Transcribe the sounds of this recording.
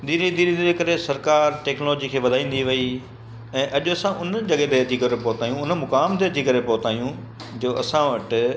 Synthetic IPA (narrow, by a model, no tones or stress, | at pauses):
d̪iɾid̪iɾid̪iɾekɐɾesɐɾkaːɾʈɛːknlɔːd͡ʑikʰeːʋɐd̪ʱaːĩːn̆d̪iʋɐi | ɛ̃ːʔɐʄʊɐsãʔʊnd͡ʑɐɠet̪eɐt͡ɕikɐɾepɔːt̪aːijũʊnmʊkaːmt̪eɐd͡ʑikɐɾepɔːt̪aːjũ | d͡ʑoːɐsãʋɐʈ